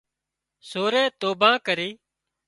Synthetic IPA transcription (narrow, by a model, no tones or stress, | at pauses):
soːɾẽːt̪oːbãːkəɾiː